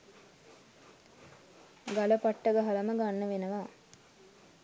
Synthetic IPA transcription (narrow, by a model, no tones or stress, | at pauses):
ɡaləpaʈːəɡəɦɐləməɡanːəʋenəʋa